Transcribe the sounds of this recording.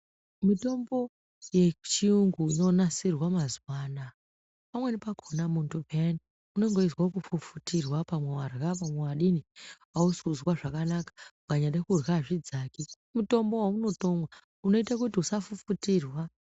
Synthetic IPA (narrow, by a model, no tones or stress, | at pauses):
mito̞mbo̞ | je̞t͡ʃiuŋɡuino̞nasirwamazwaːna | pamwe̞nipakʰonamuntupeani | une̞ŋɡo̞izwakufufutirwapamwe̞warɣapamwe̞waɗini | auskuzwaʐakanakḁuɡaɲaɗekurɣaʐid͡zaːki | muto̞mbo̞wauno̞to̞mwa | uno̞itakutiusafufutirwa